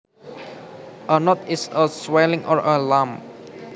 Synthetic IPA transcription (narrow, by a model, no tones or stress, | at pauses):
ʔənɔtɪsəswɛlɪ̃ŋʔɔɹʔəlãm